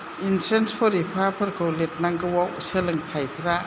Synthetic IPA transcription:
intʰɾenspʰɔɾipʰapʰɐɾkʰowlet̚naŋɡɯwawselɯŋtʰajpʰiɾa

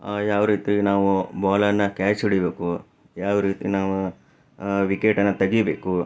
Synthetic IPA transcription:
jaːʋɾiːt̪inaːʋubaːlɐɾnɐkaːt͡ʃiɽibeːku | jaːʋɾiːt̪ḭnaːʋu | ʋikeːʈɐnːɐt̪ɐɡibeːku

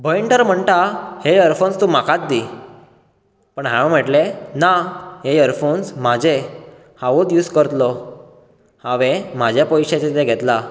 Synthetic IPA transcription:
bʱəiɳʈ̪əɾm̤əɳʈ̪aheəɾfonst̪ũm̤akat̪̚d̪i | pəɳɦãɔ̃m̤əʈlenaɦeəɾfonsmad͡ʑe | hãʋot̪juːskəɾt̪lɔ | hãʋem̤ad͡ʑjapɔjɕet͡ɕet̪eɡʱɛt̪la

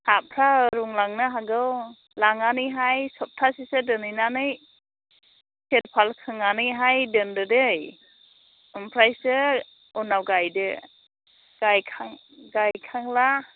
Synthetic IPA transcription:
hapʰɾaɾuŋlaŋnɯɦaɡɯw | laŋaniɦajsɔp̚tʰasisɯdɯnɯnanɯj | set̚pʰalkʰɯŋaniɦajdɯndɯdɯj | umpʰɾajsɯ | unawɡajdɯ | ɡ̥ajkʰaŋ | ɡajkʰaŋla

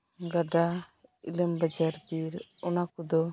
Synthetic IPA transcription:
ɡaɖaḭləmbad͡ʒaɾbiɾɔnakud̪ɔ

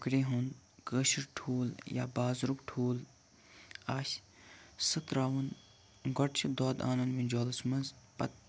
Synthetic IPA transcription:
kɾeːɦund̪ | kəʃɾʈʰuːlja̰ːbaːzɾukʈʰuːl | aːʃ | sɨt̪ɾaːʋɐn | ɡɔʈt͡ʃʰd̪oːd̪a̰ːnɐnʋĩd͡ʒoːlsmɐnzpɐ̰t̪̚

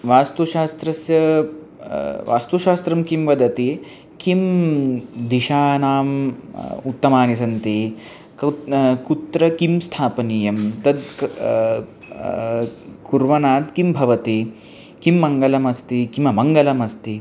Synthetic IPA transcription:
ʋaːst̪uʃaːst̪ɾɐsjɐ | ʋa̰ːst̪uʃaːst̪ɾɐmkimʋɐd̪ɐt̪i | kim | d̪iʃaːnaːm | ut̪ːɐmaːnisɐnt̪i | kkut̪ɾɐkimst̪ʰaːpɐniːjɐmt̪ɐd̪ | kuɾʋɐnaːt̪kimbʱɐʋɐt̪i | kimːɐŋɡɐlɐmɐst̪ikimɐmɐŋɡɐlɐmɐst̪i

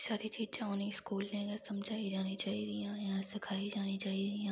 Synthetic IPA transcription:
saːɾit͡ʃiːd͡ʒaonĩskuːlnẽɡasɐmd͡ʒʱaːid͡ʒaːnit͡ʃaːid̪ijãːjɐɦãsɪkʰaːid͡ʒaːnit͡ʃaːidiãː

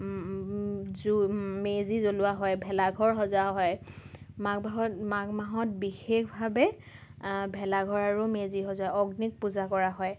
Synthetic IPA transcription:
zumezizolʊwaɦɔjbʱɛlaɡʱɔɹɦɔzaɦɔj | maɡaɦɔmaɡmaɦɔt̚bixexʰbʱabɛ | bʱɛlaɡʱɔɹaɹumeziɦɔzaɔɡnik̚puzakɔɹaɦɔj

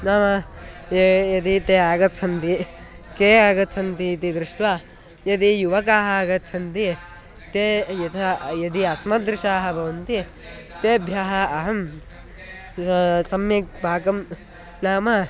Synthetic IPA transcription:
naːmɐjjɐt̪it̪eːaːɡɐt̪t͡ʃʰɐnt̪i | keːaːɡɐt̪t͡ʃʰɐnt̪it̪id̪ɾɪʂʈʋaː | jɐt̪ijuʋɐkaːɦɐɡɐt̪ːt͡ʃʰɐnt̪i | t̪eːjɐt̪ʰɐjɐd̪iɐsmɐd̪ɾɪʃaːɦɐ̆bʱɐʋɐnt̪i | t̪eːbʱjaːɦɐɐɦɐm | sɐmjek̚bʱaːkɐm | naːmɐ

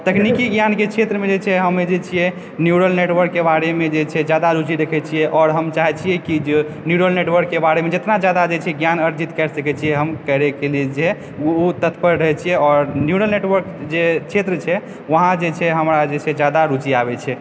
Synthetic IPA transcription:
t̪əkʰnikiɡjanket͡ʃʰet̪ɾəmed͡ʒet͡ʃʰɛɦəmed͡ʒet͡ʃʰijɛ | njuɽəlneʈʋəɾkːebaɾemed͡ʒet͡ʃʰɛd͡ʒjad̪aɾut͡ʃiɾekʰɛt͡ʃʰijɛʔɔːɾɦəmt͡ʃaɦɛt͡ʃʰijɛkid͡ʒe | njuɽəlneʈwəɾkːebaɾemed͡ʒet̪nad͡ʒjad̪ad͡ʒet͡ʃʰɛɛɡjanəɾd͡ʒit̪kɛɾsəkɛt͡ʃʰijɛɦəmkəɾɛkelied͡ʒe | ut̪ət̪ʰpəɾɾəɦɛt͡ʃʰijɛɔːɾnjuɽəlneʈʋəɾkd͡ʒet͡ʃʰet̪ɾət͡ʃʰɛ | ʋəɦãd͡ʒet͡ʃʰɛɦəmɾad͡ʒet͡ʃʰɛd͡ʒad̪aɾut͡ʃiabɛt͡ʃʰɛ

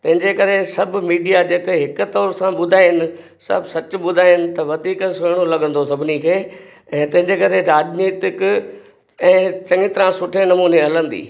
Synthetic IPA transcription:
t̪ɐ̃ɦɪ̃ɲd͡ʑekɐɾesɐb̆ʱmiːɖijad͡ʑeːkɦɪkʊ̆t̪ɔːɾsãɓʊd̪ʱaːɦɪnɪ̆ | sɐ̰bʱsɐt͡ɕʊ̆ɓʊd̪ʱaːɪɪnɪ̆t̪ɐʋɐd̪ʱiːkseːɽ̃olɐɠə̃nd̪osɐbʱɪnikʰeː | ɛ̃ːt̪ɐ̃ɦɪ̃ɲd͡ʑekɐɾeɾaːd͡ʑniːt̪ɪk | ɛ̃ːt͡ɕɐ̃ŋɡɪt̪ɪɾãsʊʈʰenɐmuːneɦɐlə̃nd̪ḭː

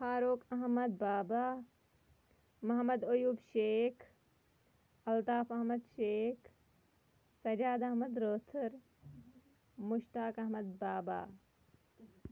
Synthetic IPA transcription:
faːɾoːkɐɦmɐd̪̚baːbaː | mɐɦmɐd̪ojuːbʃeːkʰ | ɐlt̪aːfɐɦmɐd̪ʃeːkʰ | sɐd͡ʒaːd̪ɐɦmɐd̪ɾoːt̪ʰuɾ | mʊʃt̪aːkɐɦmɐd̪̚baːba̰ː

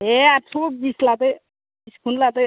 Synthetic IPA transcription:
ɦeapsobislat̪ej | bbiskʰunlat̪ej

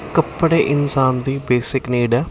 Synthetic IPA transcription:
kəpːɽeːʔɪnsaːnd̪iːbeːsɪkniːɖa

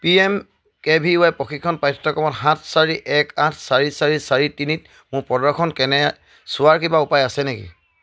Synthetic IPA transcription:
piɛm | kɛbʱiʊajpɔxʰitkʰːɔnpajtʰtːɔkɔmɔtɦãtʰsaɹiʔɛkãtʰsaɹisaɹisaɹitinit̚ | mʊpɔdakʰɔnkɛnɛ | sʊaɹkibaupajasɛnekḭ

